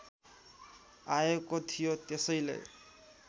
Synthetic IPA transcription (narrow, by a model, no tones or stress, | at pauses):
ajekot̪ʰijot̪esʌjlḛ